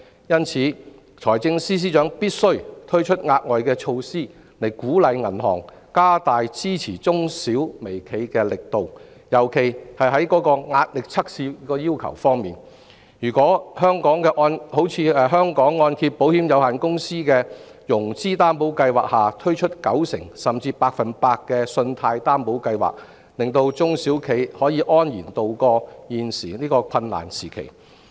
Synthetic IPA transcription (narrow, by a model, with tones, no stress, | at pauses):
jɐ˥nt͡sʰiː˨˧ | t͡ʃʰɔː˨˩jt͡sɪ˧ŋsiː˥s̬iː˥t͡ʃœː˨˥ŋpiː˥t̚sɵ˥ɥt̪ʰɵ˥ɥt͡ʃʰɵ˥t̚ŋaː˧t̚ŋɔː˨jkɛː˧t͡ʃʰo˧wsiː˥ | le˨˩jkuː˨˥lɐ˨˧jŋɐ˨˩nhɔ̰ː˨˩ŋ | kaː˥t̪aː˨jt͡siː˥t͡sʰiː˨˩t͡sʊ˥ŋsiː˨˥wme˨˩jkʰe˨˧jkɛː˧lɪ˨k̚t̪o˨w | jɐ˨˩wkʰe˨˩jhɐ˨jɦɐ˨˥jkɔː˨˥kɔː˧ŋaː˧t̚lɪ˨k̚t͡sʰɐ˥k̚siː˧˥kɔː˧jiː˥wkʰɐ̰˨˩wfɔː˥ŋmiː˨˩n | jyː˨˩kʷɔː˨˥hœː˥ŋkɔː˨˥ŋkɛː˧ʔɔː˧nho˨˥wt͡sʰiː˨˧ɛː˨˧ɦœː˥ŋkɔː˨˥ŋːɔː˧nt̪ʰi˧p̚pːo˨˥whiː˨˥mjɐ˨˧whaː˨˩nkʊ˥ŋsiː˥kɛː˧ | jʊ˨˩ŋt͡siː˥t̪aː˥mpo˨˥wkɐ˧jwaː˨k̚haː˨˩t̪ʰɵ˥ɥt͡ʃʰɵ˥t̚kɐ̰˨˥wsɪ̰˨˩ŋsɐ˨mt͡siː˧paː˧k̚fɐ˨npaː˧k̚kːɛː˧sɵ˧nt̪ʰaː˧jt̪aː˥mpo˨˥wkɐ˧jwa̰ː˨k̚ | lɪ˨ŋt̪o˧wt͡sʊ˥ŋsiː˨˥wkʰe˨˥jhɔː˨˥jiː˨˧ʔɔː˥njiː˨˩nt̪o˨wkɔː˧jiː˨nsiː˨˩niː˥kɔː˧kʷʰɐ˧nːa̰ː˨˩nsiː˨˩kʰḛ˨˩j